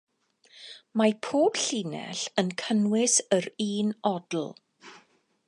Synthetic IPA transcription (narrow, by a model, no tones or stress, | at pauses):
mapʰoːb̥ɬiːnɛ̰ɬənkʰənwɪsəɾiːnɔdl̩ˠ